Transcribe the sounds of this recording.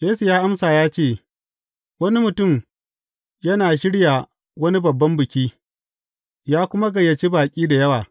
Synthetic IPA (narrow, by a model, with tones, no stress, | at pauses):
jeː˦su˨jaː˦ʔa˦msaː˨jaː˦t͡ʃeː˦˨ | wɐ˦ni˦mʊ˨tʊ˦˨m | jɐ˦naː˨ʃɪ˦ɽja˨ | wɐ˦ni˦bɐ˨bːɐ˦mbɪ˨kʲiː˦ | jaː˦kʷʊ˦ma˦ɡɐ˨jːɐ˨t͡ʃiː˦baː˨kʲʼiː˦da˨jɐ˦waː˨